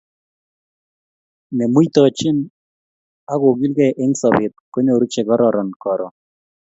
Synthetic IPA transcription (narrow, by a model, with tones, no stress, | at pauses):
nɛ˨mu˦i˦t̪ɔ˨t͡ʃɪ˦n | a˦ɣo˨ɡi˦lɡɛ˦˨ʔɪ˦ŋsɔ˨bɪ˨t̪̚ko˦ɲo˨ɾu˦t͡ʃɛ˨kɔ˦ɾɔɾɔ˨nkɔ˨ɾɔ˨